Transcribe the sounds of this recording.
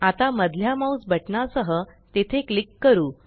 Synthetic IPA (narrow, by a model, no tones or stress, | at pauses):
at̪aməd̪ljamausbʱəʈɳasəɦət̪et̪ʰeklikːəɾuː